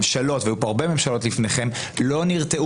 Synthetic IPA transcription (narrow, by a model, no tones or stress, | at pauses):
mʃalo̞tveajupoaʁbe̞me̞mʃalo̞tlifneχe̞m | lo̞niʁteʔ